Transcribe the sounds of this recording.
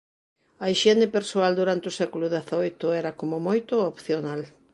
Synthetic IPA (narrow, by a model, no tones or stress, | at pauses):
ɐiʃenɪpeɾsoald̪uɾant̪eʊsɛkulʊðeθaojt̪ʊɛɾɐkomomojt̪ʊopθjonal